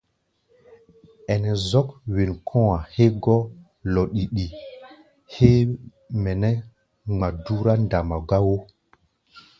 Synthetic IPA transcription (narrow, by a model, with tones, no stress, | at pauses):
ɛ˨nɛ˨zɔ˦kwi˨nkʰɔ̃˦wa˨he˦ɡɔ˦ | lɔ˨ɗi˨ɗi˨ | he˦ | mɛ˨nɛ˦ | ŋ͡ma˨du˦ɾa˦nda˨ma˨ɡa˦wo˦